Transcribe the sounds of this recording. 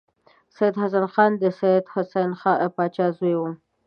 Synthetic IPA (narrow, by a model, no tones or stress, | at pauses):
sajad̪has̬anxɑnd̪əsajd̪hʊsanxɑpɑt͡ʃɑzwewu